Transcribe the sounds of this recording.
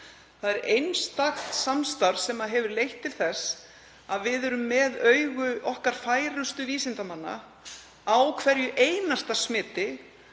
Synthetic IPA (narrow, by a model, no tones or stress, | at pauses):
θaðɛɾejnst̪axt̪samst̪aɾsɛmaðɦɛvʏɾlejht̪ʰːɪlθɛs | aðvɪðɛɾʏmːɛðœɥɣʏʔɔhkaɾ̥faːjɾʏst̪ʏviːsɪnt̪amanːa̰ | awkʰvɛɾjʏʔejnast̪asmɪːt̪ɪ